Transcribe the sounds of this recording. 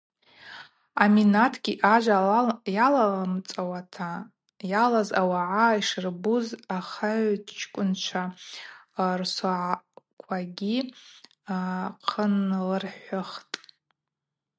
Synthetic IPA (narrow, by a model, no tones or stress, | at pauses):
aminatʰɡʲiʔaʒʷajalalamt͡sʼawatʰa | jalazawaʕaiʂɨrbuzaχaʕdt͡ʃʰkʷʼʊnt͡ʃʷʰa | rsaʕkʷʰaɡʲi | qʰənlɨrħʷʊχtʼ